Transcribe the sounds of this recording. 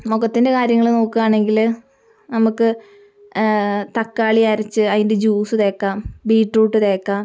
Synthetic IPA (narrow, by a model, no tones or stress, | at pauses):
mokːɐt̪ːinde̞kaːɾjɐŋːɐɭno̞ːkːɨɣaːɳe̞ŋɡil | nɐmukːɨ | t̪ɐkːaːɭiaːɾɐt͡ɕːɨɐðinde̞d͡ʑuːsɨt̪e̞ːkːaːmbiːʈruːʈːɨðe̞ːkːaːm